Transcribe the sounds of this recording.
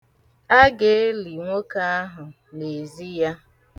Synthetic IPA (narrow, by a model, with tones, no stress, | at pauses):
a˦ɡe˦li˨ŋʷo˦ka˦a˦ɦʊ˨ | ne˨zi˦ja˦